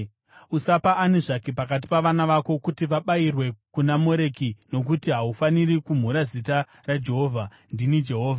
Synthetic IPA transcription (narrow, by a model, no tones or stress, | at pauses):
usapaʔaneʐakepakat̬i̥paʋanaʋako̞kutiʋaɓairwe̞kunamo̞ɾe̞kino̞k̬utiɦaufanirikum̤uɾazita | rad͡ʒe̞ɦo̞ːvʱa | ndinid͡ʒe̞ɦoːvʱa